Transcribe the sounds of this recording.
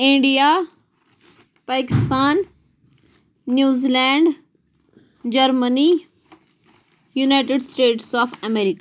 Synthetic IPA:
ĩɳɖijaː | paːkɪst̪aːn | juːzilɛ̃ːɳɖ | d͡ʒɐɾməni | junaːɪʈeɖsʈeːʈsɔːfʰɐmeːɾika

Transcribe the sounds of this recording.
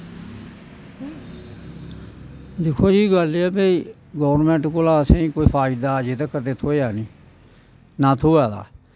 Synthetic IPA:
d̪ɪkʰoːd͡ʒiːɡəlɛːbeiː | ɡɔːʋɾnmɛ̃ːɳʈkolãːəsẽĩːkoːiːpʰaːɪd̪aːd͡ʒet̪aːkət̪eːt̪ʰoːjaːnĩː | nãːt̪ʰoːaːd̪a̰ː

